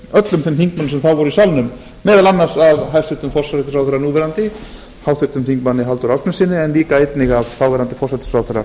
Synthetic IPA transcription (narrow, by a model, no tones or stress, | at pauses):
œt̪lʏmt̪θɪmθiŋk̚manːsɛmθawvɔɾʏisalnʏmː | ɛːðalanːaɾ̥saðɦajst̪ʰʏt̪ʏmfɔr̥saɾɛt̪ɪ̥sawθɛɾːaɾnuːvɛɾant̪ɪ | haːwθʏ̥t̪ʏmθiŋkmanːɪɦalt̪ʏɾasnɛsɪːnɪɛnliːkaejt̪nɪɣavfawvɛɾant̪ɪfɔsat̪ɪ̥sawθœɾːa̰ɾ